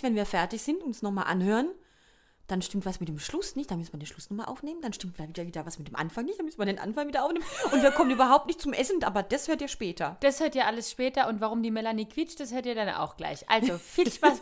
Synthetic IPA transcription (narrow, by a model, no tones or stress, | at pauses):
vɛnviːɐfɛɐtɪçz̥ɪntʊnsnɔχmaːlʔa̰nhøːʁən | d̥anʃtɪmtv̥asmɪt̚d̥eːmʃlʊsnɪçtd̥anmʏstmandeːnʃlʊsnɔχmaːlʔa̰ʊfneːmənd̥anʃtɪmtflaviːdɐviːdɐvasmɪt̚d̥eːmʔa̰nfaŋnɪçtd̥anmʏsmandeːnʔa̰nfaŋviːdɐʔaʊfneːmənʔʊntv̥iːɐkʰɔmənʔyːbɐɦaʊp̚tnɪçtt͡sʊmʔɛsndʔa̰ːbɐd̥ashøːɐtiːɐʃpɛːtʰɐd̥ashøːɐtiːɐʔaləsʃpɛːtɐʔʊntvaʁ̞ʊmdiːmɛlaniːkʰv̥ɪt͡ʃtd̥ashøːɐtiːɐdanʔa̰ʊxɡ̥la̰ɪçʔʔa̰lzofiçv̥as